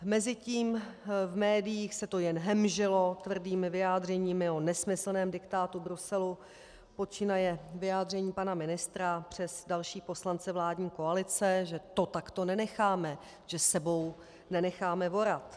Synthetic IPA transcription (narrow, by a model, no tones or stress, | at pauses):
mɛzɪciːmvmɛːdɪjiːxsɛt̪o̞jɛnɦɛmʒɪlo̞t̪vr̩diːmɪvɪjaːdr̝ɛɲiːmɪonɛsmɪsl̩nɛːmdɪkt̪aːt̪ubɾusɛlu | po̞t͡ʃɪnajɛvɪjaːd̪r̝ɛɲiːpanamɪnɪst̪ɾapr̝̥ɛzdalʃiːpo̞slant͡sɛvlaːdɲiːko̞alɪt͡sɛʒɛt̪o̞t̪akt̪o̞nɛnɛxaːmɛ | ʒ̥ɛsɛbo̞w | nɛnɛxaːmɛvo̞ɾat̪